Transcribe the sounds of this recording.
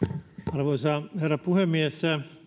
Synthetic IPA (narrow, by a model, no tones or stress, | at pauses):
ɑrʋoisɑherːɑpuhemːiesæ